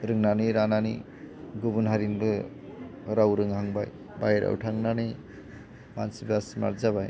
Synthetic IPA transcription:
ɾɯŋnanɯjɾananḭ | ɡubunɦaɾinbɯ | ɾawɾɯŋɦaŋbaj | bajɾa̰wtʰaŋnanɯ | mansibasma̰ɾzabaj

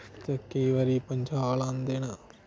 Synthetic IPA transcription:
t̪ekeiːʋaːɾiːpəɲd͡ʒaːlãːnd̪eːnaː

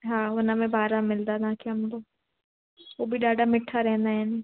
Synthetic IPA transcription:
ɦãːʊnãːmẽːbaːɾaːmɪld̪aːnãːkɪɦəmd̪oː | oːbʱiːɖaːɖaːmɪʈʰːaːɾɛ̃ːnd̪aːɦɛːneː

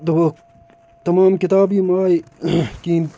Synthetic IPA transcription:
d̪ɐ | t̪ɐmɑːmkɪt̪ɑːbiːmaːjkiːn

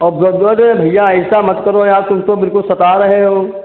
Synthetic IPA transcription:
ɔːbɔbɔd͡ʒoebʱɐjːãɪssamɐt̪kəɾojaːɾt̪ʊmt̪obɪlkʊlsɐt̪aːɾɐɦeɦoː

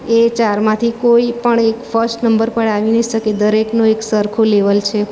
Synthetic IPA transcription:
et͡ʃaɾmãt̪ʰikoipəɳekfəɾsʈnəmbəɾpəɽaʋinəiʃəked̪əɾeknõeksəɾkʰoleʋəlt͡ʃʰe

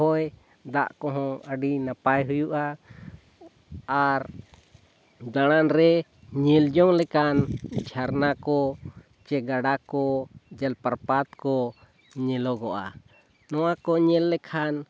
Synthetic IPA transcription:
ɔj | d̪a̰ʔkɔ̃ɦɔ̃əɖinapajɦujuʔa | ɾ | d̪aɽ̃anɾɛ | ɲɛld͡ʒɔŋlɛkand͡ʒʱaɾnakɔ | t͡ʃɛɡaɽakɔd͡ʒɛlpaɾpat̪kɔ | ɲɛlɔɡɔʔa̰ | nɔwakɔɲɛlːɛkʰan

